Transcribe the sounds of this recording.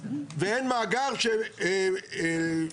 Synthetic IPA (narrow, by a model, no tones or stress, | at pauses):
veenmaːɡaʁʃe